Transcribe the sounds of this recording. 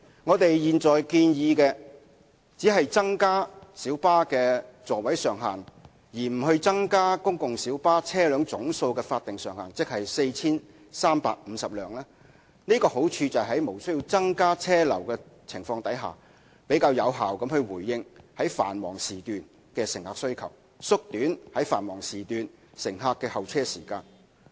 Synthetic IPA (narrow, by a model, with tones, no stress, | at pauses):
ŋɔː˨˧t̪e˨jjiː˨nt͡sɔː˨˩jkiː˧njiː˧kɛː˧ | t͡siː˨˥ɦɐ˨jt͡sɐ˥ŋkaː˥siː˨˥wpaː˥kɛː˧t͡sɔː˨wɐ˨˥jsœː˨ŋɦa̰ː˨n | jiː˨˩m̩˨˩hɵ˧ɥt͡sɐ˥ŋkaː˥kʊ˥ŋkʊ˨ŋsiː˨˥wpaː˥t͡sʰɛː˥lœː˨˧ŋt͡sʊ˨˥ŋso˧wkɛː˧faː˧t̚t̪ɪ˨ŋsœː˨˩ŋhaː˨˩nt͡sɪ˥k̚hɐ˨jse˧jt͡sʰiː˥n | saː˥mpa̰ː˧k̚m̩˨˧sɐ˨p̚lœː˨˩ŋlaː˥ | niː˥kɔː˧ho˨˥wt͡ʃʰyː˧t͡sɐ˨ɦɐ˨˥jmo˨˩wsɵ˥ji˧wt͡sɐ˥ŋkaː˥t͡sʰɛː˥lɐ̰˨˩wkɛː˧t͡sʰɪ˨˩ŋfɔː˧ŋt̪ɐ˨˥jɦa̰ː˨ | pe˨˥jkaː˧wjɐ˨˧wɦaː˨˩wkɐ˧˥mhɵ˧ɥwuː˨˩jːɪ˧ŋhɐ˨˥jfa̰ː˨˩nwɔː˨˩ŋsiː˨t̪yː˨n | kɛː˧sɪ˨ŋhaː˧˥ksɵ˥ɥkʰɐ̰˨˩w | sʊ˥k̚t̪yː˨˥nhɐ˨˥jfa̰ː˨˩nwɔː˨˩ŋsiː˨t̪yː˨n | sɪ˨˩ŋɦaː˧kːɛː˧hɐ˨wt͡sʰɛː˥siː˨˩kaː˧n